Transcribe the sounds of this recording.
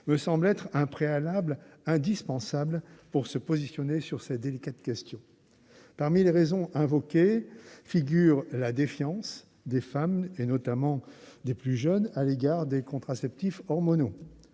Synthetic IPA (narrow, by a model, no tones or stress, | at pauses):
məsɑ̃blɛt̪χɛ̃pχealablɛ̃d̪ispɑ̃sablpuʁsəpozisjɔnesyʁsɛd̪elikat̪kʲɛst̪jɔ̃ | paʁmileʁezɔ̃ɛ̃vɔkʲefiɡʲyʁlad̪efjɑ̃s | d̪efamenɔt̪amɑ̃d̪eplyʒənaleɡaʁd̪ekɔ̃t̪χasɛpt̪ifɔʁmɔno